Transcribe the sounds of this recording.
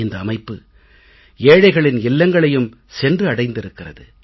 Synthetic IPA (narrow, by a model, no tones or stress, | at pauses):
ɪnd̪ɐːmɐɪpːɯ | eːɻɐɪɣɐɭɪnɪlːɐŋɡɐɭɐjɯm | sɛndrɯɐɽɐɪnd̪ɪɾɯkːɪrɐ̰ðɯ